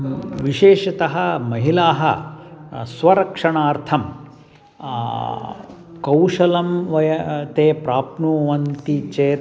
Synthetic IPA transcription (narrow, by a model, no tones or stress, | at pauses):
ʋiʃeːʃɐt̪ɐɦɐmɐɦilaːɦɐ̰ | sʋɐɾɐkʂɐɳaːɾt̪ʰɐm | kɐwʂɐlɐmʋɐjɐt̪eːpɾaːpnuːʋɐnt̪it͡ʃeː